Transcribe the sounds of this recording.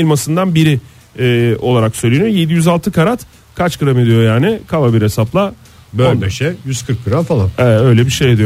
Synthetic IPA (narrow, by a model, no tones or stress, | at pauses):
ilʲmasɯnd̪anbiɾɪ | ɛːo̞lˠaɾaksøjlʲenʲijoje̞d̪ijyzalˠt̪ʰɯkʰaɾat̪ | kʰat͡ʃkɯɾame̞d̪ijo̞jaːnɪkʰavabiɾe̞saplˠa | bøbeʃɛjyz̥kʰɯɾk̚bɯɾanfalˠanɛø̞jlʲɛbiʃe̞jad̪ijo